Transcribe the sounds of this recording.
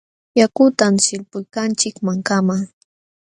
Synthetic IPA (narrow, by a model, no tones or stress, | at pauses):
jakʊt̪amsɪlpʊjkant͡ʃɪkmaŋkamaŋ